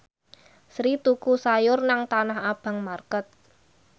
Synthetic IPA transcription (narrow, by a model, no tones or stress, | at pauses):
sɾit̪ukusajʊrnaŋt̪anahab̥ä̤ŋmarkət̪̚